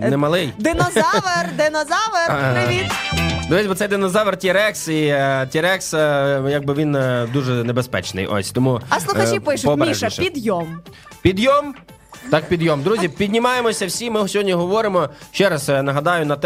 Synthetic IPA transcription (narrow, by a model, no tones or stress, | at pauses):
nɛmɐlˠɪjd̪ɪnɔzɑʋerd̪ɪnɔzɑʋeid̪ɔʋɛsʲbɔt̪ɛjd̪ɪnɔzɑʋertʲiɾɛksitʲiɾɛksjɐɡ̚bɪʋʲind̪uʒɛnebespɛ̰t͡ʃnɪ̰jʔɔ̰sʲt̪ɔmuɐslˠʊxɐt͡ʃipɪʃʊpɔbʲmʲɾiʒʃɐpʲid̪jɔm | pʲid̪jɔm | t̪ɑk̚pʲid̪jɔmd̪ɾuzʲipʲid̪ʲnʲimɑjemɔsʲɐwsʲimɪsʲɦɔdʲnʲiɦɔʋɔɾɪmɔʃt͡ʃɛɾɐsnɐɦɐd̪ɑjʊnɐt̪